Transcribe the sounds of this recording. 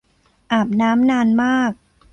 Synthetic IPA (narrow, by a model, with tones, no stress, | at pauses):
ʔaː˨˩p̚naː˦˥mnaː˧nmaː˥˩k̚